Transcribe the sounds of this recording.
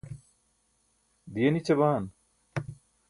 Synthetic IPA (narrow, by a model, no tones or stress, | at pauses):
d̪ijɐnit͡ɕɐbaːn